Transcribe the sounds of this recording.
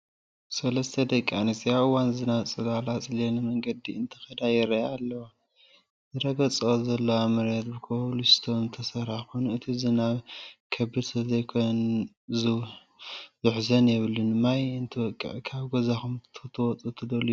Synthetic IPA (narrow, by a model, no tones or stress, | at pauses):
sɐlɐst̪ʰɐd̪ɐkʼanisijaɨwanzɨnat͡sʼɨlalat͡sʼɨlenɨmɐŋɡɐd̪ːiɨnt̪ʰɨ̥xɐd̪ajɪɾɐalːɐwa | zɨɾɐɡɐt͡sʼɨozɐlːɐwamɨɾet̪bɨkʰolust̪ʰont̪ʰɐsɐɾħakojnuɨt̪ʰizɨnaβkʰɐbɨd̪sʰɐzɐjkʰon | zɨ | zɨħzɐnjɛβɨlunɨmajɨnt̪ʰɨwɔkʼːɨ̰ʕkʰaβɡozaxumt̪ʰt̪ʰɨwɔt͡sʼut̪ʰɨd̪ɐlu